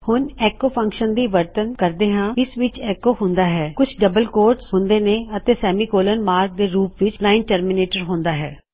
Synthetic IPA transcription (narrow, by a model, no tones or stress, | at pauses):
hʊnɛːkoːpʰə̃ŋkʃənd̪iːʋəɾt̪ənkəɾd̪eːɦãːɪsʋɪt͡ʃɛːkoːɦʊ̃nd̪aːɦɛːkʊt͡ʃʰɖəbəlkoːɾʈsɦʊ̃nd̪eːneːət̪eːsɛːmiːkoːlənmaːɾk̚d̪eːɾuːpʋɪt͡ʃlaːɪnʈəɾmɪneːʈəɾɦʊ̃nd̪aːɦɛ̰ː